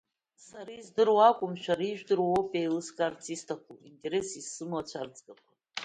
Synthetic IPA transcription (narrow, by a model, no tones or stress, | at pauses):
saɾizdɨrwakʷʼʊmʃʷᶣaɾiʒᶣdɨrwopʼejlɨskʼaːrt͡sʰistʰakʷʰuintʼe̞ɾe̞sisɨmwat͡ɕʷʰard͡zʼɡʼaχʷʰʼa